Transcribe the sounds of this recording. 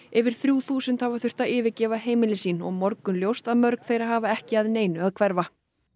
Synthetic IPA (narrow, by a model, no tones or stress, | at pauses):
ɪvɪɾ̥θɾjuːθuːsʏnt̪havaθʏr̥t̪aɪːvɪcɛːvaɦeːjmɪlɪsiːnɔ̰ɣmɔɾkʏnljowst̪aðmœɾkθejɾaɦaːvaɛhcɪaðneːjnʏaðkʰvɛɾva